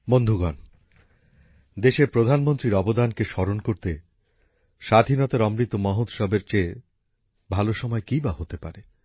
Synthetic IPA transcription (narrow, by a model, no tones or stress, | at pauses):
bond̪ʱuɡan | d̪eʃeɾpɾod̪ʱanmont̪ɾiɾɔbod̪ankeʃɔɾonkoɾt̪e | ʃad̪ʱinɔt̪aɾɔmɾit̪ːomɔɦot̪ʃɔbeɾt͡ɕe | bʱaloʃɔmɔekibaɦot̪epa̰ɾe